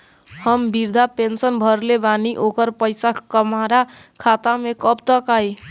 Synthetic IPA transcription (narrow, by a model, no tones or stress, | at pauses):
həmbiɾd̪ʱapensənbʱʌɾlebaniʔokəɾpəjsakəmaɾakʰat̪amekʌpt̪ʌkaj